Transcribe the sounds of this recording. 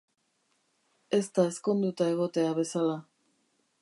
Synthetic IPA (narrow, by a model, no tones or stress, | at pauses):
e̞st̪ae̞sko̞nd̪ut̪ae̞ɣ̞o̞t̪e̞aβe̞sala